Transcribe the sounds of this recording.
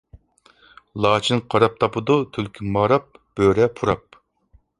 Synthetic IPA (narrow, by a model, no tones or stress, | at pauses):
lˠɑːt͡ʃʰinqʰɑɾɑp̚t̪ʰɑpɨd̪ut̪ʰylkʲʰimɑːɾɑp̚b̥øɾɛpʰuɾɑp̚